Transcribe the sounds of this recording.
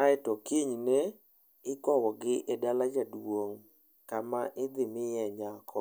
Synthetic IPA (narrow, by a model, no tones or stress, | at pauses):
aɛtɔkiɲnɛ | ɪkɔwɔɡɪʔɛdalad͡ʒadwoŋ | kamaʔɪd̪ɪmɪjɛɲakʰɔ